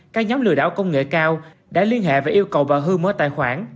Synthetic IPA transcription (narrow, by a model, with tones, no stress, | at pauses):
kaː˦˥k̚ɲɔː˨˦mlɨ̰˧˨əɗa̰ː˧˩wkə˧wŋ͡mŋḛ˧˨kaː˧w | ɗa̰ː˧˥li˧ənhḛ˧˨vaː˨˩ʔi˧əwkə˨˩wvaː˨˩ɦɨ˧moː˧t̪a̰ː˧˨jxwaː˧˩n